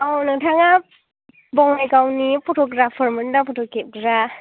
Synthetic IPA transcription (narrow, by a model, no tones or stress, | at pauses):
awnɯŋtʰaŋa | bɔŋajkawnipʰɔtʰɔɡɾapʰɔɾmɯnnapʰɔtʰɔkep̚ɡɾa